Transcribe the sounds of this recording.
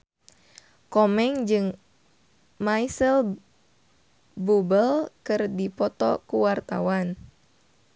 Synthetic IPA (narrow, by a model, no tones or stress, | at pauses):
kɔmɛŋd͡ʒɨŋ | majsəl | bubəlkɨrdipɔt̪ɔ̰kuwart̪a̰wan